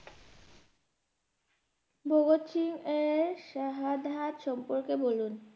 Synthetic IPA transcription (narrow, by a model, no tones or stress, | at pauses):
bʱoɡot̪ʃʰiŋeɾʃaɦad̪ʱat̪ʃɔmpoɾkebolun